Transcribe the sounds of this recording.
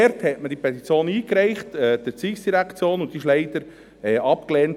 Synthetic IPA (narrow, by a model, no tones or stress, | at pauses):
ɛɾthɛtməd̥ipʰɛt̪it͡sjoːniːkɾɛɪχtɛd̥ət͡siːksd̥iɾækt͡sjoːnʊnt̪diɪʃlɛɪd̥̪əɾ | ɛʔɑpklɛːnt